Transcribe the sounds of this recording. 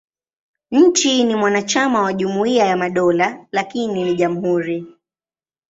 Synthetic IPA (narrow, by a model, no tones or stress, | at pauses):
ɲ̩t͡ʃinimwanat͡ʃamawaʄumuiajamaɗɔlalakininiʄamuɦuɾi